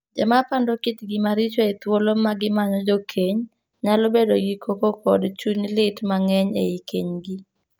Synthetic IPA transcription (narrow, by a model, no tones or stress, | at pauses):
d͡ʒɛmapandokɪt̪ɡɪmaɾit͡ʃoet̪wolomaɡɪmaɲɔd͡ʒokʰeɲ | ɲalɔbedoɡikʰokokɔdt͡ʃuɲlɪtmaŋɛɲḛikeɲɡi